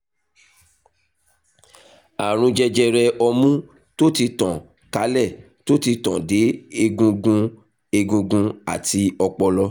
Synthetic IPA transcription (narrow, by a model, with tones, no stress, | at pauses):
a˨ɾ̃ũ˧d͡ʒɛ˧d͡ʒɛ˧ɾɛ˧ɔ˧mũ˦ | to˦ti˧tã˨ | ka˨˦lɛ˦˨ | to˦ti˧tã̰˨de˨˦e˧ɡũ˧ɡũ˧ | e˧ɡũ˧ɡũ˧a̰˨ti˧ɔ˧k͡pɔ˧lɔ˧